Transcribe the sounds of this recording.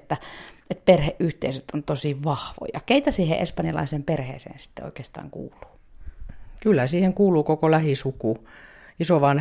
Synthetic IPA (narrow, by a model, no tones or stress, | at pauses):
t̪ːæet̪̚perheʔʔyht̪eiset̪ont̪osiʋɑhʋo̰jɑ̰keit̪ɑsiːhḛʔespɑnjɑlɑ̰iseːmperhḛːsḛːnsi̥t̪ːḛo̰ikeːst̪ɑ̰ːŋkṵːlˑu̥ː | kylːæsiːheŋkuːluːkokolæhisuku | isoʋɑn